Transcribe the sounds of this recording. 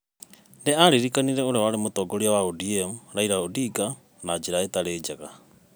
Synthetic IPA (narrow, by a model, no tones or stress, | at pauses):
ndeaɾiɾikaniɾɛoɾewaɾemotɔɡoɾiawaodiɛmuɾaiɾaodiɡa | nad͡ʒeɾaetaɾeːd͡ʒaɣa